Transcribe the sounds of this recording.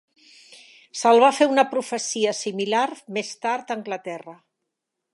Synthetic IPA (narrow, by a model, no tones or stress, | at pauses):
səlˠβafeunəpɾufəsiəsimilaɾmest̪aɾt̪əŋɡlət̪ɛrə